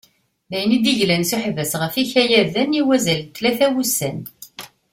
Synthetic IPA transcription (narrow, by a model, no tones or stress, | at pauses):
mæjnid̪iʝlænsuħvæsʁəfiçæjæðæniwæzælt̪ːlæθæwusːæn